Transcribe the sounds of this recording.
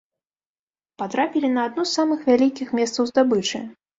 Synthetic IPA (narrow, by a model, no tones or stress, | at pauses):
pat̪ɾapʲilʲinɐːd̪̚nusːamɨxvʲalʲikʲixmʲɛst̪sɐwzd̪abɨt͡ʂɨ̰